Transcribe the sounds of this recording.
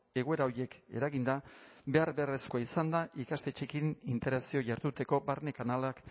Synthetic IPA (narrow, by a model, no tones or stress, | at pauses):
e̞ɣue̞ɾao̞ɾje̞ke̞̰ɾaɣind̪abe̞aɾβe̞are̞skoaisand̪aʔikast̪e̞t͡ʃe̞kinint̪e̞ɾasio̞ʝaɾt̪ut̪e̞ko̞barne̞kanalak